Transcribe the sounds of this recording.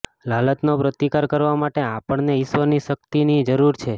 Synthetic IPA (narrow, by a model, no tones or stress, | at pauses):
lalət̪nopɾət̪ikaɾkəɾʋamaʈeapəɳneɪʃʋəniʃək̚t̪inid͡ʒəɾuɾt͡ʃʰe